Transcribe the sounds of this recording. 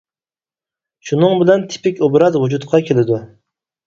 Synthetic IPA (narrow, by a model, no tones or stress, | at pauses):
ʃunɨŋbɪlɛnt̪ʰɪ̥pɪkʲobɾɑzwud͡ʒut̪̚qʰɑkʲʰelɪd̪u